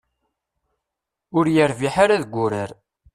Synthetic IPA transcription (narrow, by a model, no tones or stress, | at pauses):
ʊɾjəɾviħaɾaðɡʷːʊɾəɾ